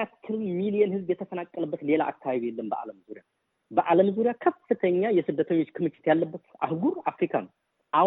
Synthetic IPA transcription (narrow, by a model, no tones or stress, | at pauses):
ak̪ʰːɨɾimilijɛnhɨzbjɛt̪ʰəfənakʼːələbːət̪le̞la̰ʔa̰kʰːaβaβijɛlːəmbəʔa̰ləmzuɾija | bəʔaləmzuɾijakʰəfːɨt̪ʰəɲːajɛsɨd̪ːət̪ʰəɲːo̞t͡ʃːkʰɨmɨt͡ʃːɪ̥t̪jalːəbːət̪ʔa̰hɡuɾafɾikʰanəw | ʔa